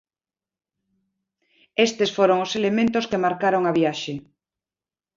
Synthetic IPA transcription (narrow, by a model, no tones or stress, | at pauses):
est̪esfoɾoŋoselemẽnt̪oskemaɾkaɾoŋaβjaʃe